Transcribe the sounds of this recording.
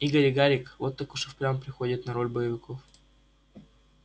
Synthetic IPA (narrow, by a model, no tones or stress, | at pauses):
iɡəɾʲɡaɾʲɪkvot̪ːakʊʂɨfpɾʲaməpɾʲɪxo̞dʲɪt̪nɐɾo̞lʲbəjɪvʲɪkof